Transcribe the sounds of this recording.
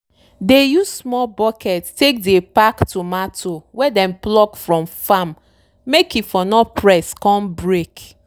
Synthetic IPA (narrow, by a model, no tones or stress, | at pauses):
dejuzsmɔbɔkɛttek̚depaktumatʰowɛdɛ̃mplɔkfɹɔ̃mfamː | ekifɔnɔpʰɹɛskɔ̃mbɹek